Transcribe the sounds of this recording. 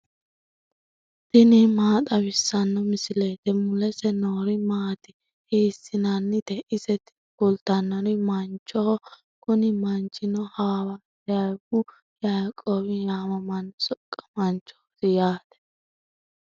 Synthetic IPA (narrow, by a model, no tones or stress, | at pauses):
d̪̥ɪnɪmaːt̪ʼɐβɪsːɐnːɔmɪsɪleːt̪ɛmʊlɛsɛnoːɾɪmaːt̪ɪ | hiːsːɪnanːɪd̪ɛʔɪsɛt̪ɪ̥kʊlt̪ːɐnːɔɾɪmɐnt͡ʃʼːɔhɔ | kʊnɪmɐnt͡ʃʼːɪnɔhaːwɐ | jajbʊ | jajkʼːoːbɪjaːmɐmɐnːsɔkʼːɐ̥mɐnt͡ʃʼːɔ̥hsɪjaːt̪ɛ̥